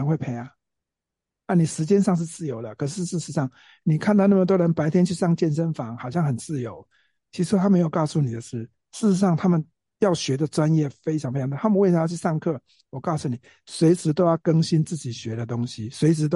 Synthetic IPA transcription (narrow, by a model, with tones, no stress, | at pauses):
ŋxwe˥˧ɪpʰe˥ɪa˨˦ | a˥˩ni˨˩ʂɻ̩˧˥t͡ɕjɛ˥nʂɑ˥˧ŋʂ̬̩˥˧t͡sɹ̩˥˩jo˧˥ʊlə˨kʰɤ˨˩ʂ̬ɻ̩˥˧ʂɻ̩˥˧ʂɻ̩˧˥ʂɑ˥˩ŋ | ni˨˩kʰa˥˧nt̪na˥˩mə˨t̪wɔ˥ɻə˧˦npa˧˥ɪt̪ʰjɛ˥nt͡ɕʰy˥˧ʂɑ˥˧ŋt͡ɕjɛ˥˧nʂə˥nfɑ˨˦ŋxɑ˨˩ʊɕjɑ˥˩ŋxə˨˩nt͡sɹ̩˥˩jo˧˦ʊ | t͡ɕʰi˧˥ʂ̩˧˥t̪ʰa˥me˧˥jʊkɑ˥˧ʊsu˥˩ni˨˩d̪ə˦ʂɻ̩˥˩ | ʂɻ̩˥˩ʂɻ̩˧˦ʂɑ˥˩ŋt̪ʰa˥mə˨n | jɑ˥˩ʊɕɥɛ˧˥d̪ə˨ʈ͡ʂwa˦njɛ˥˨˩fe˥ɪʈ͡ʂʰɑ˨˧ŋfe˥ɑ˨˧˥t̪ʰa˥mə˨˧wjt͡ɕʰy˥˧ʂɑ˥˧ŋkʰɤ˥˩ | wɔ˨˩kɑ˥˩ʊsu˨ni˨˩ | swe˧˥ɪʂɻ̩˧˥t̪̬o˥ʊjɑ˥˨ʊkə˦˥ŋɕi˦˥nt͡sɹ̩˥˩t͡ɕi˨˩ɕɥɛ˨˥d̪ə˨t̪ʊ˥ŋɕi˦swe˧˥ɪʂɻ̩˧˥t̪